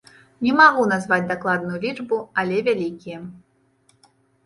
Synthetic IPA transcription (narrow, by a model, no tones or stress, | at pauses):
nʲɛmaɣunazvad͡zʲd̪aklˠad̪nʊjulʲit͡ʂbualʲɛvʲalʲikʲijɛ